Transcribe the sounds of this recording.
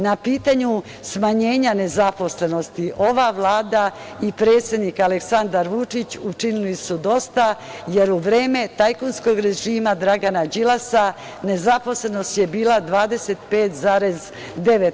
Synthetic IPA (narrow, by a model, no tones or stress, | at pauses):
napiːt̪aɲu | smaɲe̞ːɲane̞zapo̞sle̞no̞st̪iʔo̞ʋaʋlˠaːd̪a | ipɾe̞ːt̪sʲe̞d̪nikaleksand̪aɾʋut͡ʃit͡ɕut͡ʃinilisud̪o̞st̪aje̞ɾuʋɾe̞ːme̞t̪ajkonsko̞ɡɾe̞ʒiːmad̪ɾaɡanad͡ʒilˠasa | ne̞zapo̞sle̞no̞st̪je̞biːlˠad̪ʋaːd̪e̞se̞t̪pe̞ːt̪zaːɾe̞z | d̪e̞ʋet̪